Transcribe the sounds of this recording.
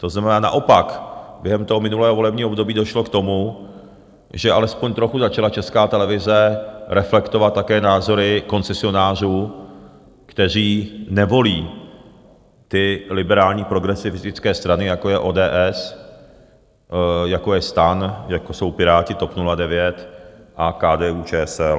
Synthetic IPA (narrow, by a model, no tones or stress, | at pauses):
t̪o̞znamɛnaːna̰ʔo̞pakbjɛɦɛmt̪oɦomɪnulɛːɦoo̞lɛbɲiːɦbdo̞biːdo̞ʃlo̞kt̪o̞mu | ʒɛʔalɛspo̞ɲt̪ɾo̞xuzat͡ʃalat͡ʃɛskaːt̪ɛlɛvɪzɛɾɛflɛkt̪ovat̪̚ːakɛːnaːzo̞ɾɪko̞nt͡sɛsɪo̞naːr̝uː | kt̪ɛr̝iːnɛvo̞liː | t̪ɪlɪbɛɾaːlɲiːpɾo̞ɡɾɛsɪfɪzɪt͡skɛːst̪ɾanɪjako̞jɛʔo̞ːdɛːʔɛs | jakojɛst̪anjakoso̞wpɪɾaːcɪt̪o̞pnuladɛvjɛt̪ʔakaːdɛːuːt͡ʃɛːɛsɛl